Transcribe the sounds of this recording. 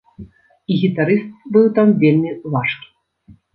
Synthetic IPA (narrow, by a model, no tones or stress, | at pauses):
iɣʲit̪aɾɨst̪̚bɨwt̪amvʲelʲmʲivaʂk